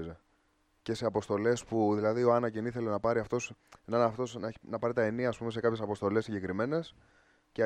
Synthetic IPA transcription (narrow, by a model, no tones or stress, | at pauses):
ze | ce̞se̞ɐpo̞st̪o̞le̞spuðilɐðio̞ɐnɐciniθe̞le̞nɐpɐɾiɐft̪o̞senɐnɐft̪o̞snɐnɐpɐɾit̪ɐe̞niɐːspume̞se̞kɐpçesɐpo̞st̪o̞le̞sːiɲɟe̞kɾime̞ne̞s | ce